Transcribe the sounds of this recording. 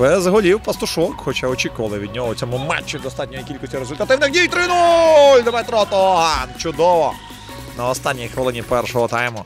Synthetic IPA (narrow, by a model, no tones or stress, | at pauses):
bɛzɦɔlʲiwpɐst̪ʊʃɔkxɔt͡ʃaɔt͡ʃikʊʋɐlˠɪʋʲid̪ʲnʲɔɦɔt͡sʲɔmumɛ̰t͡ʃːɪd̪ɔst̪ɑtʲnʲɔjikʲilʲkɔsʲtʲiɾezʊlʲt̪ɐt̪ɪwnɪxdʲijt̪ɾɪnulʲd̪ɔmɛt̪ɾɔɔt̪ɔɦant͡ʃʊd̪ɔʋɔ | nɐɔst̪ɑnʲːijxʋelˠɪnʲipɛrʃɔɦɔt̪ɑjmʊ